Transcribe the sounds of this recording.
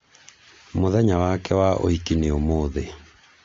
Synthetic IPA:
moðɛɲawakɛwaʔo̰hikineomoːðe

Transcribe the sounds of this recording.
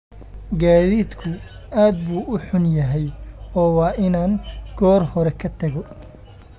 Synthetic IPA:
ɡaːðiːd̪kʰʊaːd̪̚buːʔʊħʊnjɐɦɛjɔːwɑːʔɪnaːŋɡ̥ɔːrhɔɾɛkʰɐt̪ʰɐɣɔ

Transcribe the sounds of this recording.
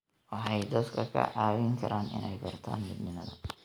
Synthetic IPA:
wɑħɑjd̪ɐd̪kʰɐkʰɐ̰ʕɑːwɪŋkʰɐɾʔaːnʔɪ̰nɛjbɐrt̪ʰa̰ːnmɪd̪nɪnɐðɐ̰

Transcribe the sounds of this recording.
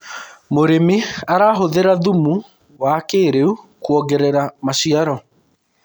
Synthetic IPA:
moɾemiaɾaɦoðeɾaðumu | wakeːɾeu | kwɔɡɛɾɛɾamaʃiaɾɔ

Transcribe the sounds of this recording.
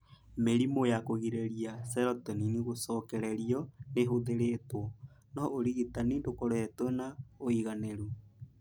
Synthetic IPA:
meɾimojakoɣiɾeɾiasɛɾɔtɔniniɣosɔːkɛɾɛɾiɔneɦoðeɾetwɔ | nɔʔoɾiɣitanindokoɾoɛtwɛnaoiɣaneɾu

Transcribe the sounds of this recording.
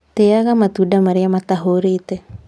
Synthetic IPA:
t̪eaɣamat̪udamaɾiamat̪aɦoɾite

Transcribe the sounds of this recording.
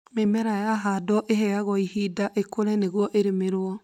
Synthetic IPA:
memɛɾajaɦadɔʔeɦɛjaɣɔihidaʔekoɾɛneɣwɔʔeɾemeɾwɔ

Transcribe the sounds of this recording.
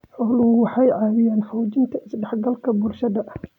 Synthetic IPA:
ħʊlʊwɑħɑjʕɑːwɪjaːnfɔwd͡ʒɪnt̪ʰɐɪsɖɛħɡɐlkʰɐbʊrʃɐðɐʔ

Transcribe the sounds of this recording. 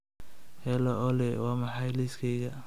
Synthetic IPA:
hɛlɔʔɔlɛwɑːmɑħɑjliskʰɛjɣɐ

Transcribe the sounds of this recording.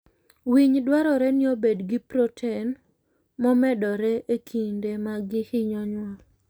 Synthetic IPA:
wiɲdwaɾɔɾɛnɪobedɡɪpɾotʰɛn | mɔmɛdɔɾɛʔekʰindemaɡɪhɪɲɔɲwa

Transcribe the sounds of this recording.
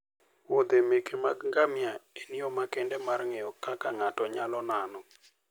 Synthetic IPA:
wod̪emekʰemaɡŋɡamjaeniomakɛndɛmarŋɛjɔkakaŋatɔɲalɔnanɔ

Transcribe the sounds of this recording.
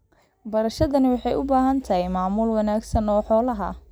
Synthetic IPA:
bɐɾɐʃɐðɐnɪwɑħɑjʊbaːɦɐnt̪ʰɐɦɛjmaːmʊlwɑnaːɡsɐnɔːħɔːlɐɦɐ̰

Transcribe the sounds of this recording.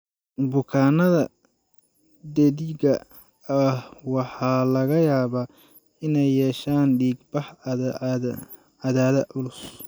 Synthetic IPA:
bʊkʰaːnɐðɐ | d̪ɛðiɡɐ | wɑħɑːlɐɣɐjaːβa | ɪnɛjːɛːʃaːnɖiːɡbɑħ | ɑðaːðɐʔʊlʊs

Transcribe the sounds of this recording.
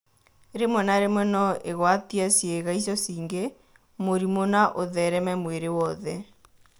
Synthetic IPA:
ɾemwɛnaɾemwɛnɔʔeɣwatiasjeɣais̬ɔsiːŋɡe | moɾimonaʔoðɛɾɛmɛmweɾewɔðɛ

